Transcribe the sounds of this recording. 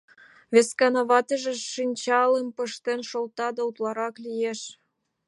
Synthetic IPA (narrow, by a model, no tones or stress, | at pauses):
veskɑnɑβɑt̪əʒeʃinʲt͡ɕɑlempəʃt̪enʃolt̪ɑd̪ɑut̪lɑɾɑklijeʃ